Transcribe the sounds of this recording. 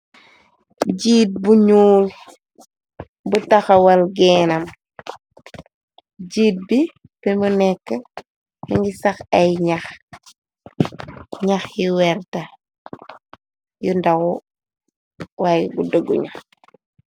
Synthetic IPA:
ɟiːt̚buɲuːl | butɐxɐwɐlɡɛːnɐm | ɟiːt̚bi | pɛmunɛkːə | miŋɡisɐxɐjɲax | ɲaxjiwɛɾtɐ | jundawu | wajɡudəɡṵɲax

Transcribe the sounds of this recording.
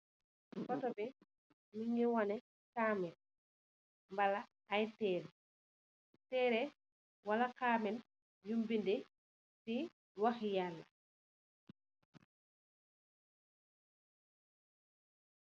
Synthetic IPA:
kɔtɔbɛ | miŋɛwanɛ | kaːmɛn | mbala | ajtɛːɾ | tɛːɾɛ | walakaːmɛn | jumbindɛ | si | waxjalːa̰

